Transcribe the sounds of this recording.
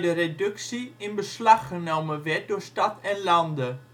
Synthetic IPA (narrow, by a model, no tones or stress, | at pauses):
dəredɵksiɪnbəslɑχːənowməʋɛɹt̚dʊːɹstɑtʰɛnlɑndə